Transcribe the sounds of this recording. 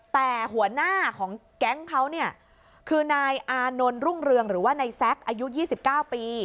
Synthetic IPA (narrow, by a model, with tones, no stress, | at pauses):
t̪ɛː˨˩ɦu˩˦ɐnaː˥˩kʰɔː˩˦ŋ | kɛ˦˥ŋkʰa˦˥wni˥˩ɐ | kʰɯː˧naː˧jʔaː˧no˧nɾu˥˩ŋɾɯ˧əŋɾɯː˩˦waː˥˩na˧jsɛ˦˥k̚ʔaː˧ju˦˥jiː˥˩si˨˩p̚kaː˥˩wpiː˧